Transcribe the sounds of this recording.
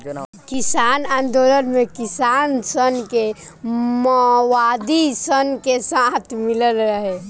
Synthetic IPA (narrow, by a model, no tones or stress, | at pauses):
kisaːnãːnd̪olənmekisaːnsənke | məʋad̪isənkesãt̪ʰmiləlɾəɦe